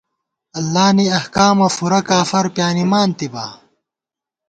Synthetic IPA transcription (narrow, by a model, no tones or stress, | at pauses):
ɐlːaːniɐhkaːmɐfuɾɐkaːfɐɾpjaːnimaːnt̪iba̰ː